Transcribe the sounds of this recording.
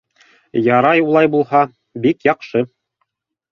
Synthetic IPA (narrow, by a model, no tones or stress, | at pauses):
jɑɾɑjulˠɑjbulˠhɑ | bikjɑqʃɤ